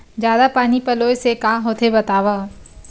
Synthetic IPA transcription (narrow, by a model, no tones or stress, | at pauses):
zjaːd̪apaːnipɐloːjsekãːɦoːt̪ʰebɐt̪aːʋaː